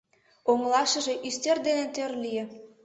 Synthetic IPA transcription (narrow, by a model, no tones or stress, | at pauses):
oŋlɑʃə̆ʒe̽ʔyst̪erd̪enet̪ørlijĕ